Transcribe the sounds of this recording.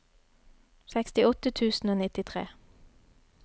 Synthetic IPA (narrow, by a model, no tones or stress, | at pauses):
sɛkst̪ɪɔt̪ət̪ʰʉːsn̩oːnɪt̪ɪt̪ʰʁḛː